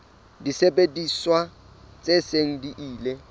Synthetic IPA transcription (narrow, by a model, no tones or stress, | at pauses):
disebʼediswa | t͡sʼeseŋ̩diʔiːle